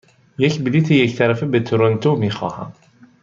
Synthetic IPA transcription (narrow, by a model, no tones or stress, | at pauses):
jecʰbiliːt̪ʰejecʰt̪ʰæɾæfebet̪ʰoɾont̪ʰomiːxɒ̰ːhæ̰m